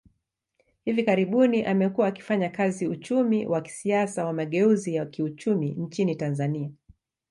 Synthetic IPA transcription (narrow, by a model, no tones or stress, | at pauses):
hivikaɾiɓuniʔamɛkuwaːki̥faɲakaziut͡ʃumiwʔaki̥siasawamaɠɛuzijakiut͡ʃumin̩t͡ʃinitanzania